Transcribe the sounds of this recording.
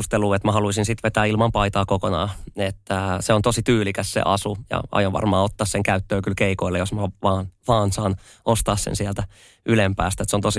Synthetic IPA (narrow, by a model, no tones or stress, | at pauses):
ust̪eluːet̪mæhɑluisinsit̪ʋet̪æːilmɑmpɑit̪ɑːkokonɑ̰ːet̪ːæseont̪osit̪yːlikæssḛʔɑsujɑ̰ɑ̰joʋʋɑ̰rmɑːot̪ːɑːsseŋkæyt̪ːøːkylkeikoilːejosmɑʋɑːnʋɑːnsɑːn | ʔost̪ɑːssḛnsiælt̪æ | ʔylempæːst̪æet̪seont̪osi